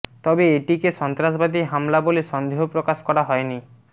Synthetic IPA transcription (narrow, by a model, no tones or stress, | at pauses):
t̪ɔbeeʈikeʃɔnt̪ɾas̬bad̪iɦamlaboliʃɔnd̪ʱeɦopɾokaskɔɾaɦɔeni